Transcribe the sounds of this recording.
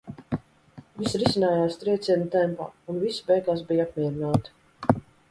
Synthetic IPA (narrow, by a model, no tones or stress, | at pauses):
visɾisʲinaːjaːst̪ɾiɛt̪sʲiɛnut̪ɛmpa̰ːunvisi̥bɛjɡaːs̬bijapmʲiɛɾinaːt̪i̥